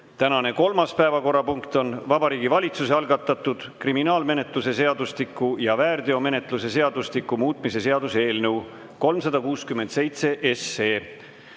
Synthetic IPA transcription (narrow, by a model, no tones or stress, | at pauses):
t̪ænɑne̞ko̞lmɑspæevɑko̞rːɑpuŋkt̪o̞nvɑbɑɾiːɡivɑlʲit̪suse̞ɑlɡɑt̪ːˑɑt̪ːˑud̪̥kriminɑːlme̞ne̞t̪ˑluse̞se̞ɑd̪ust̪ikːˑujɑvæːrd̪eo̞me̞ne̞t̪ˑluse̞se̞ɑd̪̥ust̪ikːumuːt̪ˑmise̞se̞ɑd̪use̞ːlnəw | ko̞lmsɑd̪̥ɑkuːskyment̪se̞jt̪se̞ʔeseː